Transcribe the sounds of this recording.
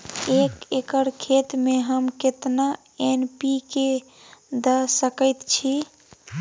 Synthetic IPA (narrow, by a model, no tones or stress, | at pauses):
ekekəɾkʰet̪meɦəmket̪na | enpike | d̪əsəkəjt̪t͡ʃʰi